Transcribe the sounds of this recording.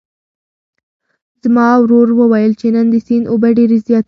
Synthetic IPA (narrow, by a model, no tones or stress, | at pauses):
z̥mɑwɾoɾwəwajəlt͡ʃenənd̪əsinʔobaɖeɾezjɑt̪